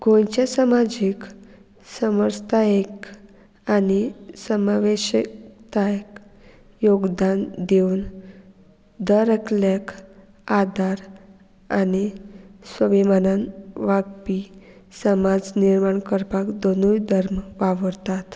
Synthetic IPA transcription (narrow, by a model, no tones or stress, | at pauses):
ɡʱõjt͡ɕasəmad͡ʑik | səməɾd͡zt̪aek | anisəmaʋeɕəkt̪ajk | joɡd̪and̪eun | d̪əɾəkljak | ad̪ʱaɾ | anisʋəbimananʋaɡpi | səmad͡zniɾmaɳkəɾpakd̪onujd̪ʱəɾmʋaʋəɾt̪at̪